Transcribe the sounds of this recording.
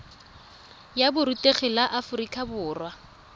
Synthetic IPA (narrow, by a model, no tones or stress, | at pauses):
jabʊɾutʼeχɪlaʔafʊrikʼabʊːrwa